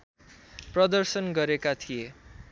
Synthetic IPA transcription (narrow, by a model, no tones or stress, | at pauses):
prʌd̪ʌrsʌnɡʌɾekat̪ʰije